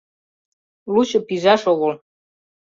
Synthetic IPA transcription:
lut͡ɕɤpiʒɑʃoɣol

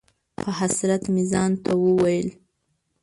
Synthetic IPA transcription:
pəɦasɾat̪mɪzɑnt̪ʰawəwajəl

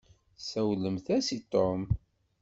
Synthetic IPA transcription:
sæwləmθæsit̪ˤːom

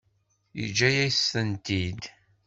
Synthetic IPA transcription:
jḭd͡ʒːæjæjsːənt̪id̪

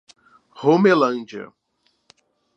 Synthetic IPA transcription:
hõmelɐ̃nd͡ʒɐ̰

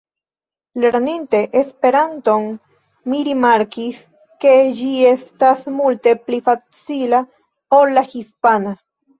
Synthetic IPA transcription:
le̞ɾninte̞ʔespe̞ɾanto̞n | miɾimaɾkis | ke̞d͡ʒie̞stasmulte̞plifat͡sila | olːahispana

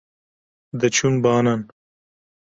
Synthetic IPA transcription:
d̪ɐt͡ʃʰumbaːnan

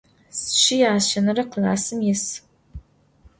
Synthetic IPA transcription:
sɨ̥ʃɪjaːʃɐnɐɾɐqəla̰ːsɨmjɪs

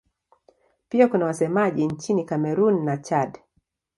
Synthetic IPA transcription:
piakunawasɛmaʄiɲt͡ʃinikamɛɾunːat͡ʃad

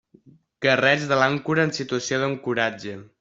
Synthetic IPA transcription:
ɡ̥ərɛʒðəlaŋkuɾəːnsit̪uəsioðəŋkuɾad͡ʒə

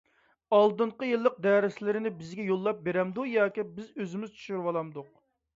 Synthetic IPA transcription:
ɑlˠd̪ɨɴqəjɨlˠːəq̚d̪ɛːɾɪslɪɾɪnɪbɪzɡʲɛjolˠːɑp̚beɾɛmd̪ujɑːkʲibɪzøzɪmyzt͡ʃʰy̥ʃyɾwɑlˠɑmd̪ʊq̚

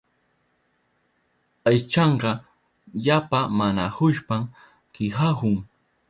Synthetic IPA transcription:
ajt͡ʃɑɴɢɑ | ʎapamanahʊʃpam | kɪxahʊŋ

